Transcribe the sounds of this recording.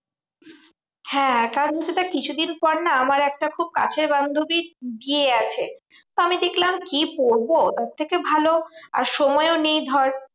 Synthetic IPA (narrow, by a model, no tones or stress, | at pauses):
hɛ̃kaɾonɦot͡ɕʰːet̪akit͡ɕʰud̪inpɔɾnaamaɾɛk̚ʈakʰub̚ka̰t͡ɕʰeɾband̪ʱobiɾbieat͡ɕʰe | t̪oamid̪ekʰlamkipoɾbot̪ɔt̪ʰːekebʱaloa̰ɾʃɔmɔeonejd̪ʱɔɾ